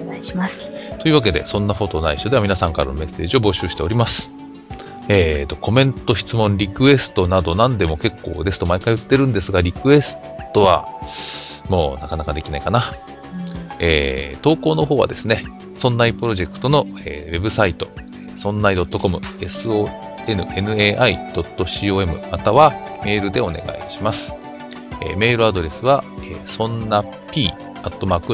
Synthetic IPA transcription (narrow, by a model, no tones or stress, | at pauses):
imast̪o̞iɯːβake̞d̪e̞̰sõ̞nːaɸo̞t̪o̞naiɕod̪eamʲinasãŋkaɾa̰no̞me̞sːe̞ːʑio̞bo̞ɕɨːɕi̥t̪e̞o̞ɾʲimasɨ̥ | et̪o̞ko̞mẽ̞nt̪o̞çi̥t͡sɨmõ̞ɲɾʲikɯ̟e̞sɨ̥t̪o̞nad̪o̞nãnd̪e̞mo̞ke̞kːo̞̰ːd̪e̞sɨ̥t̪o̞maikaiɯ̟t̪ːe̞ɾɯ̟̃nd̪e̞sɨɡaɾʲikɯ̟e̞sɨ̥ | t̪o̞βa̰ | mo̞ːnakanakad̪e̞kʲinaikana | eːt̪o̞ːko̞ːno̞ɦo̞ːβa̰d̪e̞sɨne̞ | sõ̞nːaipɯ̟ɾo̞ʑe̞kɯ̥t̪o̞no̞ḛːβe̞bɯ̟sait̪o̞ | esõ̞nːaid̪o̞t̪ːo̞ko̞mɯ̟e̞sɨoː | e̞nɯ̟e̞nɯ̟eːʔaid̪̥o̞t̪ːo̞ɕiːoːe̞mɯ̟̰mat̪aβame̞ːɾɯ̟d̪e̞o̞ne̞̰ɡa̰ḭɕimasɨ̥ | ḛːme̞ːɾɯ̟ad̪o̞ɾe̞sɨβaḛsõ̞nːa | pʲiː | at̪ːo̞maːkɯ